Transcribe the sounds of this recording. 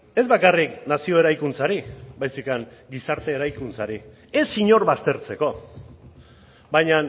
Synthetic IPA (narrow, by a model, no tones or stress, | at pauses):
e̞zβakariknasio̞e̞ɾajkunt͡saɾibajsikaŋɡisaɾt̪e̞ːɾajkunt͡saɾi | esiɲo̞ɾβast̪e̞ɾt͡se̞ko̞ | bajɲan